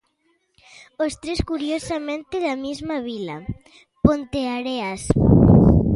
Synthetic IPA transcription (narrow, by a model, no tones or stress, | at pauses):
ost̪ɾeskuɾjosamẽnt̪eðamizmaβ̞ila̰ | pont̪eaɾeas